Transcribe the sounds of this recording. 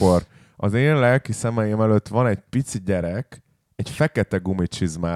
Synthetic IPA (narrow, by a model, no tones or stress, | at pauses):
or | ɒzeːnlɛlkisɛmɛjeːmɛløt̪ːʋɒnɛɟpit̪siɟɛɾɛk | ɛcfɛkɛt̪ɛɡumit͡ʃizmaː